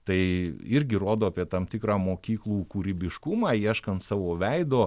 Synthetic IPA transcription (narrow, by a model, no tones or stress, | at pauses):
t̪ɐɪɪɾʲɡʲɪɾoːd̪oːɐpʲiɛt̪ɐmt̪ʲɪkɾɑːmoːkʲiːklˠuːkuːɾʲɪbʲɪʃkʊmɑːiɛʃkɐnt̪sɑːʋoːʋʲɛɪd̪oː